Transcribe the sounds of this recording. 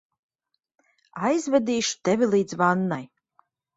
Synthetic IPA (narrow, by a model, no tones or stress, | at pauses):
ajzvɛd̪iːʃt̪ɛvʲilˠiːd̪zvanːaj